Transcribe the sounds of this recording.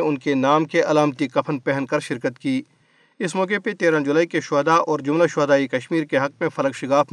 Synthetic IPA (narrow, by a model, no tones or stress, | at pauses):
ʊnkenaːmkeʔɐlaːmt̪ikɐpʰənpɛɦnkɐɾʃɪɾkət̪kiː | ɪsmɔːkepet̪eːɾãd͡ʒʊlaːikeʃʊd̪aʔɔːɾd͡ʒʊmlaʃʊd̪aːikɐʃmiːɾkeɦɐk̚mẽfʰɐləkʃɪkaːf